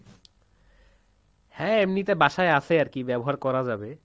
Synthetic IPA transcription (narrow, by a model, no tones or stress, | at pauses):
hɛ̃emnit̪ebaʃaeasʰeaɾkibɛboɦaɾkɔɾad͡ʑabe